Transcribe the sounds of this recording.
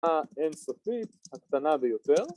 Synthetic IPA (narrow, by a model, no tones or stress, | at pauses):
aensofit̪̚hakt̪anabejot̪eʁ